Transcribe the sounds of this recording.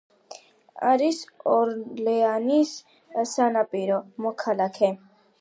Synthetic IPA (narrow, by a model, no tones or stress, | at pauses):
a̰ɾisɔɾlɛanis | sanapʼiɾɔmɔkʰalakʰɛ